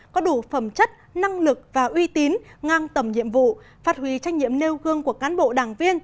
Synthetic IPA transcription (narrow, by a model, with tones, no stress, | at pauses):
kɔ˨˦ɗu˧˩fə˧˩mt͡ɕə˦˥t̚na˧ŋlɨ˨˩k̚vaː˨˩ʔwi˧t̪i˨˦nŋaː˧ŋt̪ə˧˩mɲḭ˧˨əmvṵ˧˨ | faː˦˥t̚hɦwi˨˦t͡ɕa˧jŋ̟ɲḭ˧˨əmne˧wɣɨ˧əŋku˧˩əkaː˨˦nɓo̰˧˨ɗaː˨˩ŋvi˧ən